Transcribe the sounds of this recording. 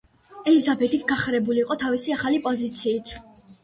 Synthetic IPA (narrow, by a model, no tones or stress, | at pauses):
ɛlizabɛt̪ʰik̪ʰɡaχɾɛbuliːqʼɔt̪ʰavisiaχalipʼɔzit̪sʰiːt̪ʰ